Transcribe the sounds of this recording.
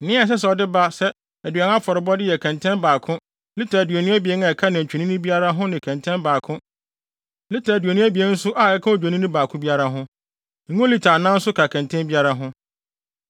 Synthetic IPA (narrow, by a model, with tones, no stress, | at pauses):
n˨nɪ̃˦a˨s̬ɛ˦s̬ɛ˨ɔ˨dɪ˦ba˦sɛ˦ | æ˨dɥa˨˦a˦fɔ˨ɾɪ˨bɔ˦dɪ˦jɛ˨kʰɛ̃˨ntʰɛ̃˦mbaː˨kʰʊ̃˦ | lɪ˦tʰa˨dɥæ˨nũ˦æ˦bi˨e˦ŋa˨ɛ˨kʰa˦nɪ̃˨t͡ɕᶣi˨nĩ˦nʊ̃˦bi˦a˦ɾa˦ɦʊ̃˦nɪ̃˨kʰæ̃˨ntʰɛ̃˦nbaː˨kʰʊ̃˦ | lɪ˦tʰa˨æ˨dɥæ˨nũ˦æ˦bi˨e˦n̩˦sʊ˦ʔa˨ɛ˦kʰã˦o˨d͡ʑᶣa˨nĩ˦nʊ̃˦baː˨kʰʊ̃˦bi˦a˦ɾa˦ɦʊ̃˦˨ | ŋũ˦o˦li˨tʰa˨nã˦n̩˦sʊ˦kʰa˨kʰɛ̃˨ntʰɛ̃˦nbi˦a˦ɾa˦ɦʊ̃˦